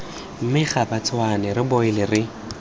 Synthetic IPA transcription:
m̩mɪχabat͡sʰwanɛrɪboɪlɪrɪ

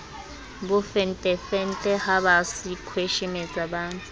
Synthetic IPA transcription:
bʊfɛn̩tʼɛfɛn̩tʼɛhaβasikʰweʃɛmɛt͡sʼabaːntʼu̥

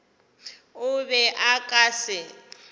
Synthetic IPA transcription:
ʊβɛʔakʼaːsɪ

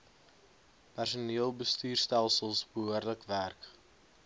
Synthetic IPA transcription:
pærsuniəlˠbəstyːrstælˠsəlˠsbəɦuərdələkværk

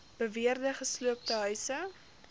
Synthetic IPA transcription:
b̥əviərdəχəsluəp̚təɦœɥsə

